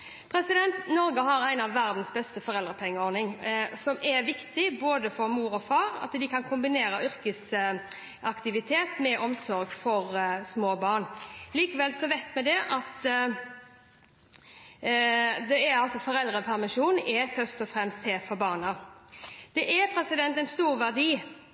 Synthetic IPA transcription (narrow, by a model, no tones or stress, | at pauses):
pʰɾɛsɪd̪ɛnt̪nɔɾɡəɦɑɾæɪnɑʋːæɾd̪n̩sbɛst̪əfɔʁɛld̪ʁəpʰɛŋːəɔːɾnɪŋsɔmɛɾʋɪkt̪ɪboːd̪əfɔɾmuːɾɔfɑːɾɑ̰t̪d̪ɪkʰɑnkʰʊmbɪneːɾəʔʏɾkəs | ɑkt̪ɪʋɪt̪ʰeːt̪mɛʔɔmsɔɾɡfɔɾsmoːbɑːʁnliːkəʋɛlsɔʋæɪt̪mɛd̪ɛʔɑt̪ | d̪ɛæɾɑlsɔfɔɾɛld̪ʁəpʰæʁmɪʃuːnɛfœʁst̪ɔfɾɛmst̪ʰːeːfɔɾbɑːʁnə | d̪̥ɛʔæpʰɾɛsɪd̪ɛnt̪ɛnst̪uːɾʋæʁd̪iː